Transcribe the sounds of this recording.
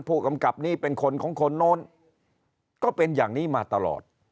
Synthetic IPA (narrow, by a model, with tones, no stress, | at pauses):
npʰuː˥˩ka˧mka˨˩p̚niː˥˩pe˧nkʰo˧nkʰɔː˩˦ŋkʰo˧nːɔː˦˥n | kɔː˥˩pe˧njaː˨˩ŋniː˦˥˩maː˧t̪a˧lɔ̰ː˨˩t̪̚